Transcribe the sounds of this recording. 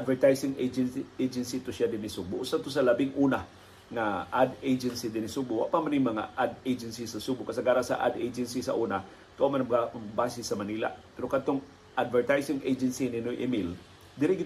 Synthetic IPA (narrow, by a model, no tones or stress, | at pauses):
ʔad̪vɛɹt̪ajsɪŋed͡ʒɛnejd͡ʒɛnsit̪oʃad̪ɪnɪsubʊʔʊsad̪̚t̪os̬ɐlɐbɪŋʔuːna | ŋaʔad̪ed͡ʒɛnsid̪ɪnɪsubʊwa̰ʔpamanɪŋmɐŋa̰ʔad̪ejd͡ʒɛnsisɐsubʊʔkɐsaɡaːɾasɐ̰ʔa̰d̪ejd͡ʒɛnsisɐ̰ʔuːna | t̪ʊʔamanɐabaːsɪsɐmɐniːla̰ʔpɛɾokɐd̪̚t̪oŋ | ʔad̪vɛɹt̪ajsɪŋʔejd͡ʒɛnsinɪnojʔɪmɪl | d̪ɪɾɪɡɪ